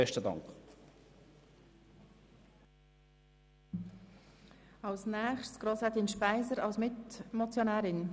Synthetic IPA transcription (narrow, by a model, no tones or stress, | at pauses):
ɛʃtədɑ̰ŋk | ɑlsnɛːχʃtsɡ̥ɾoːsɛt̪inʃpaɪzəɾɑlsmɪtmɔt͡sjonæːɾɪn